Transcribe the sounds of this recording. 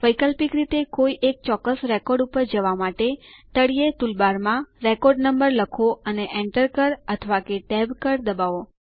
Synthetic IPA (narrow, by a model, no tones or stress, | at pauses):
ʋəjkəlpikɾit̪ekoiʔek̚t͡ʃɔkːəsɾekɔɾɖupəɾd͡ʒəʋamaʈet̪əɽijet̪ulbaɾmãɾekɔɾɖnəmbəɾləkʰoəneʔeɳʈəɾkəɾət̪ʰəʋakeʈɛbkəɾd̪əbaʋo